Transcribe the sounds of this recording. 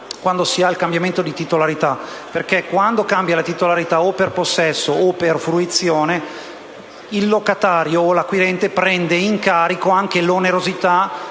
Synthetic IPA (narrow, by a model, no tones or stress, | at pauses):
kwand̪osiailkambjament̪od̪it̪it̪olaɾit̪aperk̟ɛkwand̪okambjalat̪it̪olaɾit̪aopːerposːɛsːoːpːerfɾuit̪sːjoːne | ilːokat̪aːɾjoːlakwiɾɛnt̪epɾɛnd̪eiŋkaːɾikoaŋkeloneɾozit̪a